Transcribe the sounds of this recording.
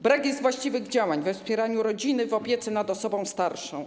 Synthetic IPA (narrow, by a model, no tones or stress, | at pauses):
bɾakjɛzt̪vwaɕt͡ɕivɘɣd͡ʑawaɲvɛfspʲjɛɾaɲuɾɔd͡ʑinɘvɔpʲjɛt̪sɛnad̪ɔsɔbɔ̃w̃st̪aɾʂɔ̃w̃